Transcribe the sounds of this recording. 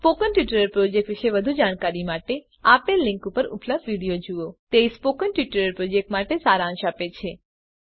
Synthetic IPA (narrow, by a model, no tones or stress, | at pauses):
spokənʈʋiʈəɾəɾpɾod͡ʒek̚ʈʋiʃeʋəd̪ʱud͡ʒaɽ̃kaɾimaʈe | apelːɪ̃ŋkupəɾṵpləb̚d̪ʋiɽijod͡ʒuot̪eispokənʈʋiʈəɾəɾpɾod͡ʒek̚ʈmaʈesaɾãʃapet͡ʃʰe